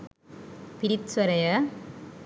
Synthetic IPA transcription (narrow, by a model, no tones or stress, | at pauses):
pɪɾɪtsɐɾɐjɐ